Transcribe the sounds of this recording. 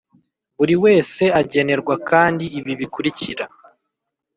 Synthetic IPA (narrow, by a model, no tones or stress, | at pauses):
βuɾiwe̞ːse̞aɟe̞ne̞ɾɡwakaːndiːβiβikuɾiciɾa